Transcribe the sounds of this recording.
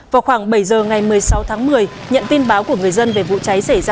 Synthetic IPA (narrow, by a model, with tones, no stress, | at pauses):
vaː˨˩wxwaː˧˩ŋɓə˧˩jzəː˨˩ŋa˨˩jmɨ˨˩əjsa˨˦wt̪ʰaː˨˦ŋmɨ˨˩əj | ɲə̰˧˨nt̪i˧nɓaː˨˦wku˧˩əŋɨ˨˩əjzə˧nve˨˩vṵ˧˨t͡ɕa˨˦jsa˧˩jzaː˧